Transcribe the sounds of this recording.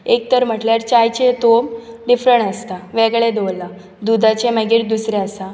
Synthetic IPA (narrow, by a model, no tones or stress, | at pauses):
ek̚t̪əɾm̤əʈljaɾt͡ɕajt͡ɕet̪omɖifɾəɳəst̪aʋeɡɭed̪ola | d̪ud̪ʱat͡ɕeməɡiːʈ̚d̪usɾeəsa